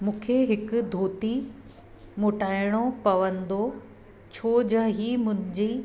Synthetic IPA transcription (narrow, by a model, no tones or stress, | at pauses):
mũːkʰeɦɪkʊd̪ʱoːt̪i | moːʈaːɪɽ̃opɐʋə̃nd̪o | t͡ɕʰoːd͡ʑɐɦiːmʊ̃ɦɪ̃ɲd͡ʑi